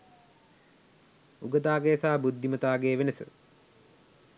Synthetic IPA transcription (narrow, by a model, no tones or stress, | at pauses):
uɡət̪aːɡejːsaːbud̪ʱːimət̪aːɡeːʋenəsə̰